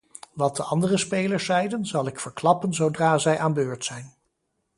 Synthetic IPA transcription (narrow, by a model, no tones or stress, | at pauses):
ʋɑt̚dəɑndərəspejləɹsɛjdənzɑlˠɪkfəɹklɑpənzowdraːzɛjʔaːnbøːɹtsɛjn